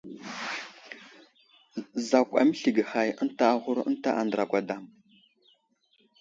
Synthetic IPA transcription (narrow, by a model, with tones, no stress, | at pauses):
za˨kʷa̰˨mə˦ɬi˨ɡə˨xa˨jə˦n˦ta˦a˨ɣu˦ɾə̰˦nta˦ʔa˨ndɾa˨kʷa˨da˨m